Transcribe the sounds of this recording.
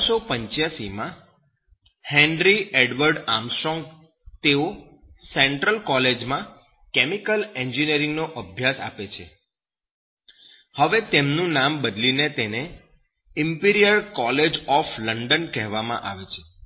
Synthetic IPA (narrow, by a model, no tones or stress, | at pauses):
sopəɲt͡ʃjasimã | hɛ̃ɳɾieɖʋəɾɖamsʈɾɔ̃ŋɡ | t̪eo | sɛɳʈɾəlkɔled͡ʒmã | kemikəleɲd͡ʒiniəɾɪ̃ŋɡnoʔəbʱjasa̰pet͡ʃʰḛ | həʋet̪emnũnambəd̪linet̪ene | ɪmpiɾijəɾkɔled͡ʒɔfləɳɖənkɛɦʋamã̰ʔa̰ʋet͡ʃʰe̥